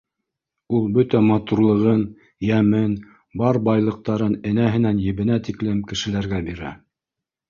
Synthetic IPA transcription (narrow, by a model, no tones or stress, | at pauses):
ulˠbɵt̪æmɑt̪uɾlˠɤ̆ʁɤn | jæmɘn | bɑɾbɑjlˠɤ̆q̚t̪ɑɾɤnɘ̆næɦɘ̆nænjɘ̆βɘ̆næt̪iklɘmkɘ̆ʃɘ̆læɾɡæbiɾæ̰